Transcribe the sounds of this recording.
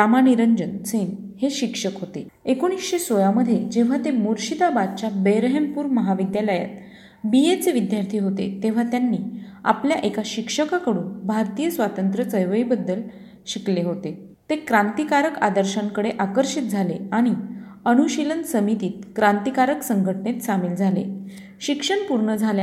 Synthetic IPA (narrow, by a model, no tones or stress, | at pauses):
ɾamaniɾəɲd͡ʑənt͡sʰenheɕikʂəkɦot̪e | ekoɽ̃isɕesojaməd̪ʱːjed͡ʑeʋ̤at̪emuɾɕid̪abad̪̚t͡ɕjabəjɾəɦempuːɾməɦaʋid̪jaləja̰t̪̚ | biet͡seʋid̪jaɾt̪ʰiːɦot̪ḛt̪eʋ̤at̪janːiːa̰pljaʔekaɕikʂəkakəɽuːnbʱaɾt̪ijəsʋat̪ənt̪ɾət͡səjʋəibəd̪ːəl | ɕikleɦot̪e | t̪ekɾant̪ikaɾəka̰d̪əɾɕaŋkəɽeʔakəɾɕit̪̚d͡zʱaleaɽ̃iənuɕilənsəmit̪iːt̪̚kɾant̪ikaɾəksəŋɡʱəʈɳet̪samiːld͡zʱalḛ | ɕikʂəɳpuɾɳəd͡zʱalj